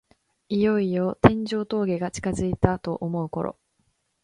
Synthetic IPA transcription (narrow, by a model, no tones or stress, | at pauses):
ijo̞ijo̞t̪ẽ̞ɲ̟d͡ʑo̞ːt̪o̞ːɡe̞ɡat͡ɕi̥kazɨit̪at̪o̞ʔomo̞ɯ̟ko̞ɾo̞̰